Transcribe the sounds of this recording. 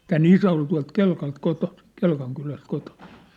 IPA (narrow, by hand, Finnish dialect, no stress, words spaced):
tæːn isæ ol tuɑ̝lt kelkɑlt kotosi̥ kelkɑŋ kylæst kotosi̥